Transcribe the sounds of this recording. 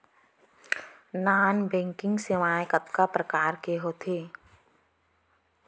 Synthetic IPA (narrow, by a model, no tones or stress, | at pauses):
naːnbɛ̃ːŋkɪ̃ŋɡsemaːjkəpkapɾəkaːɾkeɦoːt̪ʰeː